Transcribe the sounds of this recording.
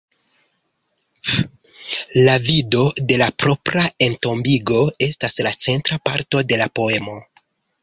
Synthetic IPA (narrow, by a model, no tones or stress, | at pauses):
lavido̞de̞lapɾo̞pɾae̞nto̞mbiɡo̞e̞staslat͡se̞ntɾapa̰ɾto̞de̞lapo̞e̞mo̞